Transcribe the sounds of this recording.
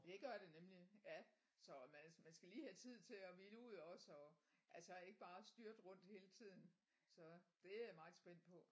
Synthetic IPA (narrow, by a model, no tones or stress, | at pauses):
d̥e̝ɡ̥ɶɐ̰d̥e̝nemlijæ | sɒ̽mænmænsɡ̥æliːhæt͡sʰið̞̰ˠt͡sʰe̝ɒʋinəuð̞̰ˠɒ̽sɒ̽ʔælsæe̝ɡ̥əb̥ɑ̈ːsd̥yɐd̥ʁɔ̽n̰d̥he̝ːlət͡sʰið̰ˠn̩ | sɒ̽d̥e̝æmɑ̈ɪð̩ˠsb̥en̰d̥̚pʰɒ̽